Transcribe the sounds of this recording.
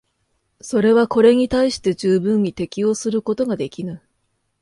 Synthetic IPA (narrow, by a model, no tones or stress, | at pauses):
so̞ɾe̞β̞ako̞ɾe̞ɲ̟it̪aiɕi̥t̪e̞ʑɨːbɯ̃ɲ̟it̪e̞kʲio̞ːsɨɾɯ̟ko̞t̪o̞ɡad̪e̞kʲinɨ